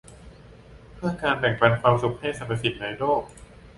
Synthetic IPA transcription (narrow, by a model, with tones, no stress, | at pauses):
pʰɯ˥˩əkaː˧npɛ˨˩ŋpa˧nkʰwaː˧msu˨˩k̚ha˥˩jsa˨˧˩pːa˧si˨˩t̪̚na˧jloː˥˩k̚